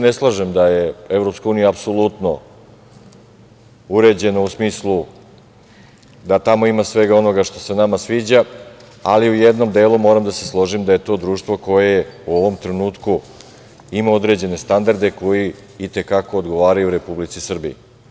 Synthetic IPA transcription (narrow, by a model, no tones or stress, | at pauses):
neslˠaʒemd̪ajeevɾo̞pskauːnijaːpsolˠut̪no̞ | uɾe̞d͡ʑe̞nousmiːslˠu | d̪at̪amo̞imasʋe̞ɡao̞no̞ɡaʂt̪o̞se̞namasʋiːd͡ʑa | a̰liujed̪no̞md̪e̞ːlumo̞ːɾamd̪aseslˠo̞ʐimd̪ajet̪o̞ːd̪ɾuːʂt̪vʋo̞ko̞jeuo̞ʋo̞mt̪ɾenuːt̪ku | imaod̪ɾe̞d͡ʑe̞ne̞st̪and̪aɾd̪e̞ko̞ji | it̪e̞kako̞ːd̪ɡo̞ʋaːɾajuɾe̞publit̪sisr̩bḭi